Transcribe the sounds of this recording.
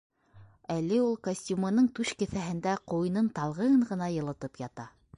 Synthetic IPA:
ælɘulˠkosʲtʲjumŏnɤɴt̪ʉʃkɘ̆θæɦɘ̆nd̪æqujnɤnt̪ɑlˠʁɤ̆ɴʁɤ̆nɑjɤ̆lˠɤ̆t̪ɤpjɑt̪ɑ

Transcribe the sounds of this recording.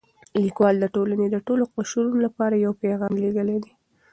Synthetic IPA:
likwɑld̪əʈolaned̪əʈoloqʊʃuɾunolapɑɾajawpeɣɑmleɡ̪əled̪i

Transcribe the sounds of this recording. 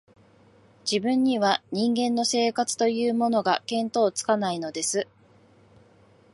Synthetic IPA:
d͡ʑibɯ̟̃ɲ̟ːiβaɲ̟ĩŋɡẽ̞nːo̞se̞ːkat͡sɨ̥t̪o̞jɯ̟ːmo̞no̞ɡakẽ̞nt̪o̞ːt͡sɨ̥kanaino̞d̪e̞sɨ

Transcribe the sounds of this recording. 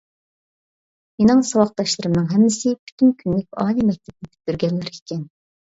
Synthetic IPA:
menɪŋsɑwɑq̚t̪ɑʃlˠɨɾɨmnɨŋɦɛmːɪsɪpʰy̥t̪ʰynkʲʰynlɪk̚ʲɑ̰ːlˠimɛk̚ʲt̪ʰɛp̚nɪt̪ʰy̥p̚d̪̥yɾɡʲɛlːɪɾikʲʰɛn

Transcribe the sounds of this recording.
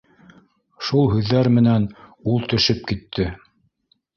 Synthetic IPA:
ʃulˠɦʉðːæɾmɘ̆nænulˠt̪ɵ̆ʃɘp̚kit̪ʰːɘ

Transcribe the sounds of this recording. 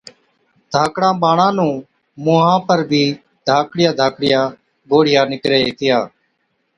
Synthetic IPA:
d̪̥ʱaːkɽãːɓaːɳãːnũː | moːɦãːpəɾbʱiː | d̪ʱaːkɽɪjaːd̪ʱaːkɽɪjãː | ɡoːɽ̤ɪjaːnɪkɾeːeːt̪ʰɪjaː

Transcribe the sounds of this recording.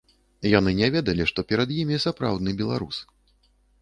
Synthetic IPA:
janɨnʲɛvʲɛd̪ɐlʲiʂt̪ɔpʲɛɾɐd̪jimʲisapɾa̰wd̪nɨbʲɛlˠa̰ɾṵs

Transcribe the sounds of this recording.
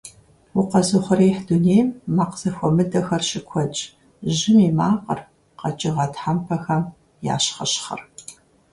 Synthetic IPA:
wʊqɐzɨχʷɾiːħduneːjmːaːqz̥ɐxʷɔmɨdɐxɐrɕɪkʷʰɔt͡ʃʼ | ʒɪmiːmaːqə̰r | qɐt͡ʃʼɪʁɐtħampʰɐxɐm | ja̰ːɕχɐɕχɐ̰r

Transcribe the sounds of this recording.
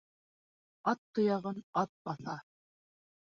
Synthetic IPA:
ɑt̪ːŏjɑʁɤnɑt̪̚bɑθɑ

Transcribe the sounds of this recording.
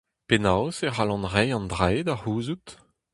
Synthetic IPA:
penawseʁalɑ̃nʁejɑ̃ndʁejdaʁuːzut̪

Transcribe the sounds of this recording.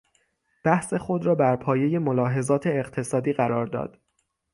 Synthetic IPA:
b̥æhse̞xo̞d̪ɾɒːbæɾpʰɒːje̞je̞molɒːɦe̞zɒːt̪ʰe̞ːqt̪ʰe̞sɒːd̪iːɣæɾɒːɾd̪ɒ̰ːd̪̥

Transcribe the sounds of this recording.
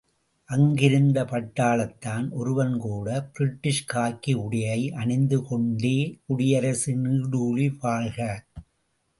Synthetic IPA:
ʔɐŋɡɪɾɯnd̪ɐpɐʈːaːlɐt̪ːaːnʔɔɾɯʋɐnkuːɽɐbɪɾɪʈːɪʂkaːkːiʊɽɪjɐɪʔɐɳɪnd̪ɯkɔɳɖeːʊɽɪjɐɾɐsɯniːɽuːliʋaːɾɣɐ

